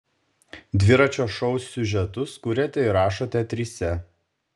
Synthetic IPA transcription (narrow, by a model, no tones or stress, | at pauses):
d̪ʲʋʲɪɾɐt͡ʃʲoːʃɔʊsʲːʊʒʲɛt̪ʊskʊːɾʲɛt̪ʲɛɪɾɑːʃot̪ʲɛt̪ʲɾʲiːsʲɛ